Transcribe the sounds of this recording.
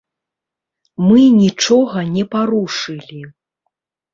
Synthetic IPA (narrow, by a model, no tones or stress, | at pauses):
mɨnʲit͡ʂɔɣɐnʲɛpaɾuʂɨlʲi